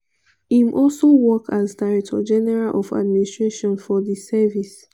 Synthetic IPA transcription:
ĩmʔɔlsowɔkʰazdaɹɛk̚tʰɔ̰d͡ʒɛnɛɹalʔɔfa̰dministɹeʃɔ̃nfɔðisɛvis

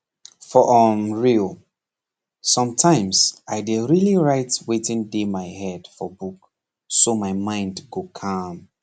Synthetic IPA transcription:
fɔʔɔmɹilˠ | sʌ̃mtʰãɪ̃msaɪdeɹiliɹaɪtwetĩndemaɪhɛd̥fɔbuk | somaɪmãɪ̃ndɡokʰãm

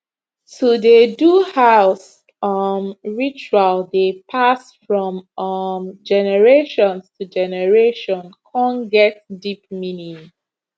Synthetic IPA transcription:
tʰudeduhaʊs | ʌmɹit͡ʃualdepʰasfɹɔ̃mmd͡ʒɛnɛɹeʃɔ̃nstʰud͡ʒɛnɛɹeʃɔ̃nkʰɔ̃nɡɛtdip̚minĩ

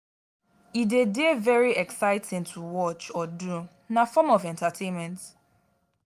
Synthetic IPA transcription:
idedevɛɹiɛksaɪtʰɪ̃ŋtʰuwɔt͡ʃɔdu | nafɔmɔvɛ̃ntatʰẽnmɛ̃nt

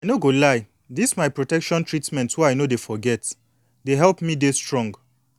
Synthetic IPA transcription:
ajnoɡolaɪ | dismaɪpɹotɛkʃɔ̃ntʰɹitmɛ̃nthuaɪnodefɔɡɛt | deɦɛlpmidestɹɔ̃ŋɡ

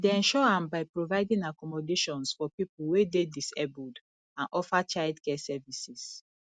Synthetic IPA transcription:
deɛ̃nʃɔãmbaɪpɹovaɪdĩŋakɔmɔdeʃɔ̃nsfɔpipuwededisḛbɔd | ãnʔɔfat͡ʃaɪdkɛsɛvisis

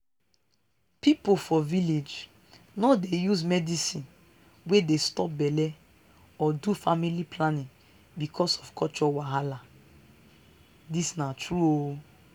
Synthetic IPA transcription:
pipofɔviled͡ʒ | nɔdejusmɛdisĩn | wedestɔp̚bɛlɛ | ɔdufamilipʰlanĩŋ | bikʰɔsɔfkʰɔt͡ʃɔwaɦala | disnatɹuo

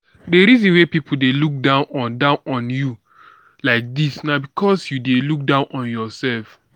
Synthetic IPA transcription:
deɾizɔ̃nwepipʰul̩deluk̚dãʊ̃nɔ̃ndãʊ̃nʔɔ̃nju | laɪk̚disnabikʰɔsjudeluk̚dãʊ̃nʔɔ̃njɔsɛlf

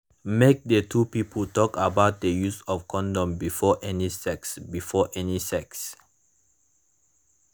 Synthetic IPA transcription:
mek̚dətʰupipʰəltɔkabaʊt̚dəjusɔfkʰɔ̃ndɔ̃mbifɔʔɛnisɛksbifɔʔɛnisɛks

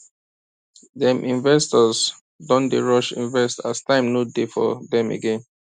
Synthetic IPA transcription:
dɛ̃mʔĩnvɛstɔz | dɔ̃ndeɹɔʃḭ̃nvɛstastãɪ̃mnodefɔ̰dɛ̃mḛɡẽn

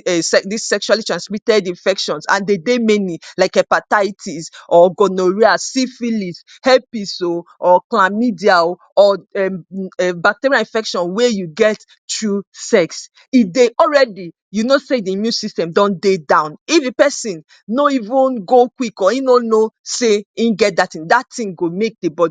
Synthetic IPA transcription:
sɛdisɛkʃualitɹãnsmitɛdĩnfɛkʃɔ̃nsã̰ndedemɛnilaɪkɛpatatʰisɔɡɔnoɹiasifilis | hɛpisoɔklamidial | ɔɛmɛbak̚teɹiaĩnfɛkʃɔ̃nwɛjuɡɛt | tɹusɛks | ideʔɔlɹɛdi | junosediimjũnsistɛ̃mdɔ̃ndedãʊ̃nifepɛsĩnː | oivũnɡokwikɔinonoseĩɡɛt̚datĩŋdatʰĩŋɡomek̚debɔdi

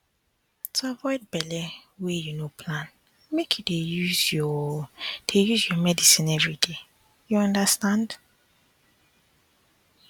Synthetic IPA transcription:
tʰuavɔɪd̚bɛlɛwejunopʰlãn | mekʰjudejuzjɔ | d̥ejuzjɔmɛdisĩnɛvɹide | juãndastãnd

